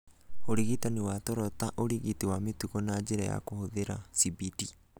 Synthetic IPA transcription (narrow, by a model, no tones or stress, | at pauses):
oɾiɣitaniwatɔɾɔtaʔoɾiɣitiwametuɣɔnad͡ʑeɾaja̰kohoðeɾa̰sibiti